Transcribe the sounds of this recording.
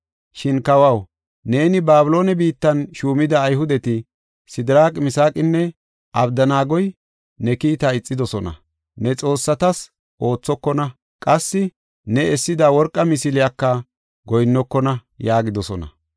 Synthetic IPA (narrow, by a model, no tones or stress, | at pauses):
ʃɪnkɐwɐw | ne̞ːnɪbaːbɪlo̞ːnɛbiːt̪ːɐnʃuːmɪd̪ɐːjɦʊd̪ɛt̪ɪ | sɪd̪ɪɾaːkʼmɪsaːkʼːɪnːɛ | ʔɐbd̪ɐnaːɡɔj | nɛkiːt̪ɐɪt͡sʼːɪd̪ɔsɔnɐ̰ | nɛt͡sʼo̞ːsːɐt̪ɐs | ʔo̞ːt͡sːɔkːɔnɐ | kʼɐsːɪ | nɛɛsːɪd̪ɐwɔɾkʼːɐmɪsɪlɪjɐkːɐ | ɡɔjnːɔkːɔnɐjaːɡɪd̪ɔsɔnɐ̰